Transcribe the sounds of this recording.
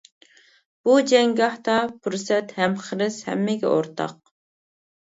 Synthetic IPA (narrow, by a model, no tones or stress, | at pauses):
b̥ud͡ʒɛŋɡɑht̪ɑpʰuɾsɛt̪hɛmχəɾɪshɛ̰mːɪɡʲɛ̰ʔoɾt̪ʰɑ̰q